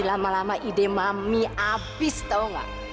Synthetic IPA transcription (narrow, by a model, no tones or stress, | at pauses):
ilamalamaʔid̪emamiafist̪awŋa̰